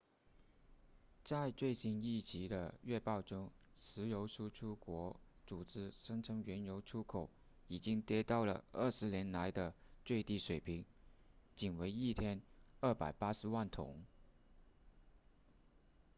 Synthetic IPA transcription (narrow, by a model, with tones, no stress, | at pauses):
t͡sa˥˧ɪt͡swe˥˩ɪɕi˧˥ni˥˩t͡ɕi˧˥d̪ə̰˧ɥɛ˥˧pɑ˥˩ʊʈ͡ʂʊ˥ŋʂɻ̩˧˥jo˧˥ʊʈ͡ʂʰu˥ʈ͡ʂʰu˥kwɔ˧˥ | t͡su˨˩ʈ͡ʂɻ̩˥ʂɤ˥ŋʈ͡ʂʰɤ˧˥ŋɥɛ˧˥njo˧˥ʊʈ͡ʂʰu˥kʰo˨˩ʊ | i˨˩t͡ɕi˥ŋt̪jɛ˧˥t̪ɑ˥˩ʊlə̰˩ə˥˩ʂɻ̩˧˥njɛ˧˥nla˧˥ɪd̪ə˧t͡swe˥˧ɪt̪i˥˩ʂwe˨˩ɪpʰi˧˥ŋt͡ɕi˨˩nwe˧˥ɪi˥˩t̪ʰjɛ˥nə˞˥˩pa̰˨˩ɪpa˥ʂɻ̩˧˥wa˥˩nt̪ʰʊ̰˧˥˦ŋ